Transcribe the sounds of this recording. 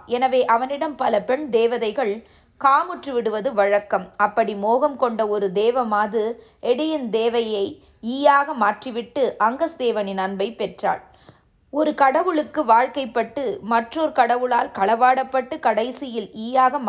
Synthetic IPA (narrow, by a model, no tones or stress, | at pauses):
ɛnɐʋeːʔɐʋɐnɪɽɐmpɐlɐpɛɳd̪eːʋɐðɐɪɣɐɭ | kaːmɯʈrɯʋɪɽɯʋɐðɯʋɐɻɐkːɐmɐpːɐɽimoːɣɐmkɔɳɖɐɔɾɯd̪eːʋɐmaːðɯ | ʔɛɽɐjɪnd̪eːʋɐjɐɪ | iːjaːɣɐmaːʈriʋɪʈːɯʔɐŋɡɐsd̪eːʋɐnɪnɐnbɐɪpːɛʈra̰ːɭ | ɔɾɯkɐɽɐʋɯɭɯkːɯʋaːɻkɐɪpːɐʈːɯmɐʈroɾkɐɽɐʋɯɭaːlkɐɭɐʋaːɽɐpːɐʈːɯkɐɽɐɪsɪjɪliːjaːɣɐm